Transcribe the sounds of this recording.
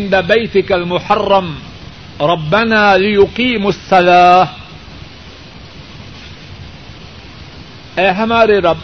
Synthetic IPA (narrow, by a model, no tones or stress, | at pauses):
ɪnd̪abajt̪ɪkalmʊħɑrˤːɑm | ɾˤɑbːanaːlɪjʊqiːmasˤːɑlaːh | ʔeːɦamaːɾiɾɑb